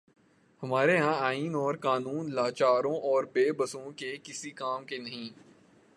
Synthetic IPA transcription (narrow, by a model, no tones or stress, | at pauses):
hɐmaːɾeɦãaːiːnɔːɾkaːnuːnlaːt͡ʃaːɾõʔɔːɾbeːbɐsõkekɪsikaːmkenɐɦĩː